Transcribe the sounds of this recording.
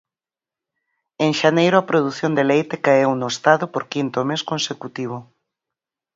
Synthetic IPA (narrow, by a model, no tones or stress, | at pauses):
eŋʃanejɾʊapɾoðuθjond̪elejt̪ekaewnoest̪aðopoɾkint̪omeskonsekut̪iβ̞o